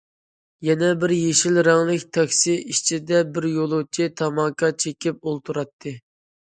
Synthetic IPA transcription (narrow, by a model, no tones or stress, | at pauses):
jɛnɛbɪɾjeʃilɾɑŋlˠɪkʲt̪ʰɑkʲsiiʃt͡ʃʰid̪ɛbɪɾjolˠut͡ʃʰit̪ʰɑmɑkʰɑt͡ʃʰekʲip̚olˠt̪ʰuɾɑt̪ʰːɨ